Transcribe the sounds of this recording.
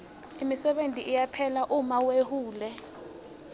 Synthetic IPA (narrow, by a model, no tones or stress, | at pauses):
imisɛɓentʼiʔːjapʰɛlaʔumawehuːlɛ